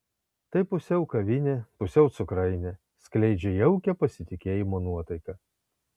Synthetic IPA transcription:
t̪ɐɪpʊsʲɛʊkɐʋʲɪnʲepʊsʲɛʊt̪sʊkɾɐɪnʲɛ | sʲklʲɛɪd͡ʒʲɛjɛʊkʲɛpɐsʲɪt̪ʲɪkʲeːjɪmoːnuɔt̪ɐɪkɐ

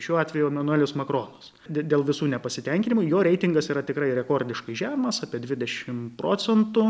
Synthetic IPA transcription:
ʃʲuːɑːt̪ʲʋʲɛjuɛmɐnʊɛlʲʊsmɐkɾoːnɐs | dʲd̪ʲeːlˠʋʲɪsuːnʲɛpɐsʲɪt̪ʲɛŋʲkʲɪnʲɪmʊjoːɾʲɛɪt̪ʲɪŋɡɐsiːɾɐt̪ʲɪkrɐɪɾʲɛkoːɾʲd̪ʲɪʃkɐɪʒʲæːmɐsɑːpʲiɛd̪ʲʋʲɪd̪ʲɛʃʲɪmpɾoːt͡s̪ʲɛnt̪ʊ

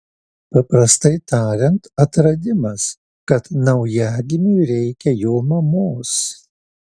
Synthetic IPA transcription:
pɐpɾɐst̪ɐɪt̪ɑːɾʲɛnt̪ɐt̪ɾɐd̪ʲɪmɐs | kɐt̪nɐʊjæːɡ̪ʲɪmʲuɪɾʲɛɪkʲɛjoːmɐmoːs

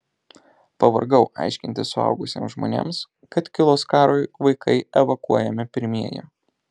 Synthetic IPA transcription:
pɐʋɐ̰ɾɡɐʊʔɑ̰ɪʃʲkʲɪnt̪ʲɪssʊɐ̰ˑʊɡʊsʲḛːmsʒmo̰ːnʲḛːms | kɐt̪kʲɪlˠoːskɑːɾoɪʋɐɪkʰɐɪɛʋɐkuɔjɛmʲɪpʲɪɾʲmʲiɛjɛ̰

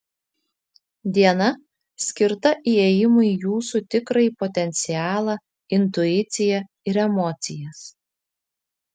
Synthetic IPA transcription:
d̪ʲiɛnɐ | sʲkʲɪɾt̪ɐʔiɛjɪmʊijuːsut̪ʲɪkɾɐipɔt̪ʲɛnʲt̪sʲɪæːlˠɑ | ɪnt̪ʊɪt̪sʲɪjɛ | ɪɾɛmɔːt̪sʲɪjɛs

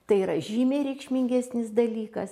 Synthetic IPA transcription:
t̪ɐɪiːɾɐʒʲiːmʲeːɾʲɛɪkʃʲmʲɪŋʲɡʲæsʲnʲɪsd̪ɐlʲiːkɐs

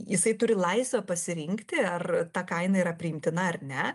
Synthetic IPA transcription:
jɪsɐɪt̪ʊɾʲɪlˠɐɪsʲʋʲɛpɐsʲɪɾʲɪŋkt̪ʲɪɐrt̪ɐkɐɪnɐiɾɐpʲɾʲɪɪmʲt̪ʲɪnɐɐrnʲɛ

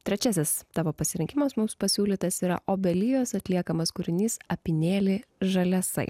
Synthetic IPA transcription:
t̪ʲɾʲɛt͡ʃʲæsʲɪst̪ɑːʋoːpɐsʲɪɾʲɪŋʲkʲɪmɐsmʊmspɐsʲuːlʲiːt̪ɐsiːɾɐ̰ʔoːbʲɛlʲɪjoːsɐt̪ʲlʲiɛkɐmɐskʊɾʲɪnʲiːsɐpʲɪnʲeːlʲeːʒɐlʲɛsɐ̰ɪ

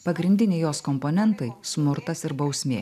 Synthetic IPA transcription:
pɐɡɾʲɪnʲd̪ʲɪnʲɛɪjoːskɔmpoːnʲɛnt̪ɐɪsmʊɾt̪ɐsɪɾbɐʊsʲmʲeː

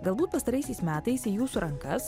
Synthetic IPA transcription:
ɡɐlˠbuːt̪pɐst̪ɐɾɐɪsʲɛɪsmʲæːt̪ɐɪsiːjuːsʊɾɐŋkɐs

